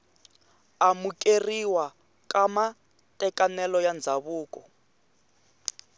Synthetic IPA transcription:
amukʼeriwa | kama | tʼɛkanɛlɔjand͡zʱaβuːkʼɔ

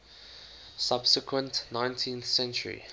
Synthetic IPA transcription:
sab̥səkwə̃ntnãɪ̃ntʰĩnθsɛ̃nt͡ʃəɹḭ

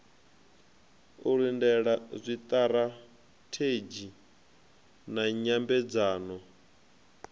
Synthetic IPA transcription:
uɺindɛɺazʷit̪ʼaɾa | tʰed͡ʒi | naɲambɛd͡zaːnɔ

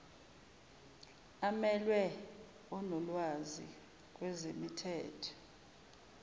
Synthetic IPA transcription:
amɛlwɛ | ɔnɔlwazḭ | k̬ʼwɛzemitʰɛːtʰɔ̥

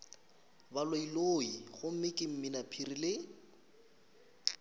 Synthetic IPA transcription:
baloiloiχʊm̩mɪkʼɪm̩mɪnapʰirilɪ

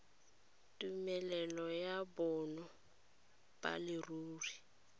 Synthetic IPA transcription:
tʼumɛlɛlɔjabɔnɔ | b̥a̰lɪruːri

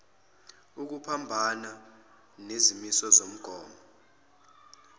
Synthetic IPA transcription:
uk̬upʰambʱana | nezimisɔzom̩ɡ̥ʱɔːmɔ

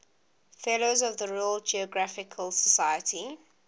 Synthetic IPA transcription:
fɛlozɔvðəɹɔəlˠd͡ʒiəɡɹafɪkʰəlˠsəsaɪjətʰi

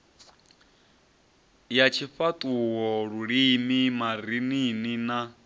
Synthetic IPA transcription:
jat͡ʃʰifatʼuwɔɺuɺimimaɾininina

